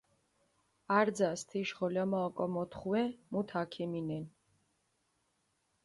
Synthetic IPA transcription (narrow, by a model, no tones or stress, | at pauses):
aɾd̪zast̪ʰiʃʁɔlamaɔkʼɔmɔt̪ʰχwɛmut̪ʰakʰɛminɛn